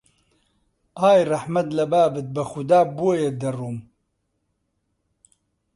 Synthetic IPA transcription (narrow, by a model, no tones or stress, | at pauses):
aːjrɐħmɐt̪lɐbaːbɨt̪̚bɐxʊd̪aːbuwejed̪ɐruːm